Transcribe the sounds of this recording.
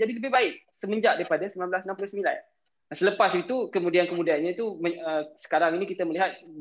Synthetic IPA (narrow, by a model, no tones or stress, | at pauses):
d͡ʒadiləbɪhbaɪk̚səmə̃ɲd͡ʒaʔdaɾipadasəmilanblasnampulʊsəmila̰n | sələpasit̪ukəmũdiankəmudianɲãt̪uməəsə̥kaɾaŋinikit̪aməliɦat̪̚